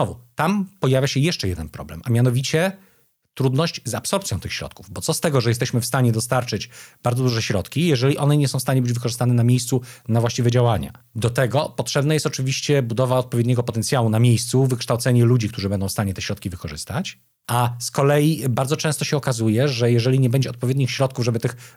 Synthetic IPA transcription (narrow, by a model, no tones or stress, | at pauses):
nɔvut̪ampɔjavʲjaɕɛjɛʂt͡ʂɛjɛd̪ɛnpɾɔ̰blɛ̰mʔamʲjan̪ɔvʲit͡ɕɛ | t̪ɾud̪nɔɕt͡ɕzapsɔɾp̪̚sjɔ̃t̪ɘxɕɾɔ̰t̪kuvbɔt̪sɔst̪ɛɡɔʐɛjɛst̪ɛɕmɘfst̪aɲɛd̪ɔst̪aɾt͡ʂɘd͡ʑbaɾd̪zɔd̪uʐɛɕɾɔt̪kʲijɛʐɛlʲiʔɔnɛɲɛsɔ̃w̃st̪aɲɛbɘd͡ʑvɘkɔʐɘst̪anɛnamʲejst̪sunavwaɕt͡ɕivɛd͡ʑawaɲa̰ | d̪ɔt̪ɛɡɔpɔtʂɛbnajɛst̪ɔt͡ʂɘvʲiɕt͡ɕɛbud̪ɔvaɔt̪̚pɔvʲjed̪ɲɛɡɔpɔt̪ɛnt̪sʲjawunamʲjejst̪suvɘkʂt̪awt̪sɛɲɛlud͡ʑik̚t̪uʐɘbɛnd̪ɔ̃wfst̪aɲɛt̪ɛɕɾɔt̪kʲivɘkɔʐɘ̰st̪at͡ɕ | ʔaskɔlɛjibaɾd̪zɔt͡ʂɛ̃st̪ɔɕɛɔkazujɛʐɛjɛʐɛlʲiɲɛbɛɲd͡ʑɛɔt̪pɔvjed̪ɲixɕɾɔt̪kuvʐɛbɘt̪ɘx